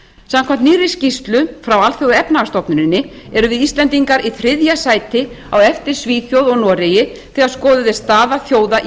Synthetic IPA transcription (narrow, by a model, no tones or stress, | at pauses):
samkʰvam̥t̪niːɾɪscist̪lʏfɾawalθfjowðɛpnaɣast̪ɔpnʏɾɪnːɪ | ɛɾʏvɪðist̪lɛnt̪iŋkaɾiθɾɪðjasaːjt̪ɪ | awɛft̪ɪɾ̥sviːfjowðɔɣnɔːɾejɪ | θɛɣaɾ̥skɔːðʏðɪst̪aːðaθjoːwða